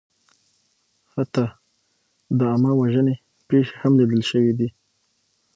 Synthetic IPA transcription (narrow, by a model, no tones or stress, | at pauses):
hat̪a | d̪əamawaʒəne | peʃe̥hamlid̪əlʃəwid̪i